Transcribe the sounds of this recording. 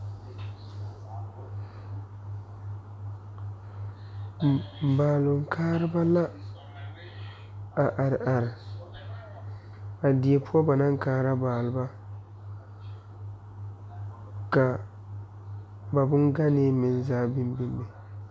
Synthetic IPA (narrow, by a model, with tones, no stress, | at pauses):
baː˨lʊ˨ŋ˨kʰaː˦ɾɨ˦ba˦la˦ | a˨ʔa˨ɾʔa˨ɾɪ˨ | a˨di˨e˨pʰʊ˦ɔ˦ba˨na˦ŋ˦kaː˦ɾa˦baː˨lʊ˨ba˦ | ka˨ | ba˨bʊ˦nɡa˦nɪ˦mɪ˨nzaː˦bɪ˦mbɪ˦mbɪ˨